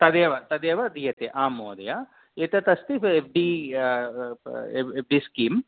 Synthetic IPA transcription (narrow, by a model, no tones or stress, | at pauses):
t̪ɐd̪eːʋɐt̪ɐd̪eːʋɐd̪ijɐt̪eʔaːmoːd̪ɐjɐ | et̪ɐt̪ɐst̪iebɖiː | eeɖiskiːm